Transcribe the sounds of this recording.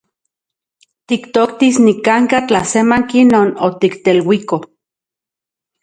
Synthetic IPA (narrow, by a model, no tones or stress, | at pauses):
t̪ikt̪okt̪isnikaŋkat͡ɬasemaŋkinoːnot̪ikt̪elwiko